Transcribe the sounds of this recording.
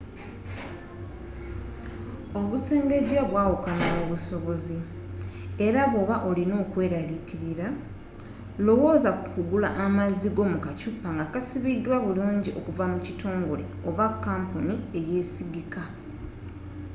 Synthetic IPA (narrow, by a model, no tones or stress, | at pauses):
o̞βuse̞ːnde̞dwaβwaːwukanaoβuso̞βo̞zi | e̞ɾaβo̞βaʔo̞lino̞ːkwe̞ːɾaliciɾiɾa | lo̞wo̞ːzakukuɡulaʔːmaziɡo̞mukacupːaŋɡakasiβidːwaβuluːɲɟiʔo̞kuvamucitʰo̞ːŋɡo̞le̞̰o̞βakːaːmpunie̞je̞siɡika